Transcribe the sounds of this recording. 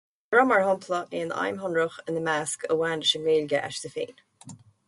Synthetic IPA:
ɹɔmaɹhɔmpʰlˠəʔeːna̰jmɦɔnɹəxɪnðəmaːskəwaːndəʃənɹeːlɡəʔa̰ʃd̪əfḛːn

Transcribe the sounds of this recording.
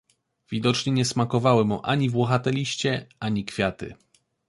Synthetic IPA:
vʲid̪ɔt͡ʂɲɛɲɛsmakɔvawɘmuʔaɲivwɔxat̪ɛlʲiɕt͡ɕɛaɲikfʲjat̪ɘ̰

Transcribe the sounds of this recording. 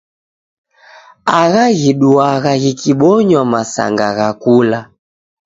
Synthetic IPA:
aɣaɣiɗuaɣaɣikiɓɔɲwamasa̰ŋɡa̰ɣakula

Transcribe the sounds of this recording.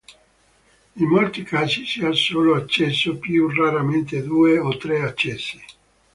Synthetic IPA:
imːolt̪ikaːzisiasoːloat͡ʃːɛsːopjuraɾament̪ed̪uːeot̪ːɾeat͡ʃːɛsːi̥

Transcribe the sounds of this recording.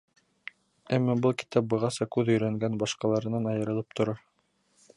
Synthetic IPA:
æmːæbɤlˠki̥t̪ɑp̚bɤ̆ʁɑsɑkʉðɵ̆jɾæŋɡænbɑʃqɑlˠɑɾɤ̆nɑnɑjɤ̆ɾɤ̆lˠɤp̚t̪ŏɾɑɾ

